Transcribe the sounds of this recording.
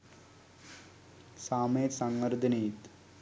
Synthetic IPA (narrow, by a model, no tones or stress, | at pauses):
saːmeːt̪sɐŋɡɐɾd̪ɐniːt̪